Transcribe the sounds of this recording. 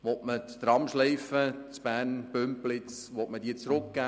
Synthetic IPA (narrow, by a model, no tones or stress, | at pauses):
ʋɔtmət̪ɾɑmʃleɪfət͡sb̥æːnb̥ømplɪt͡sʋɔtmədiːət͡sɾʊkɡ̥æː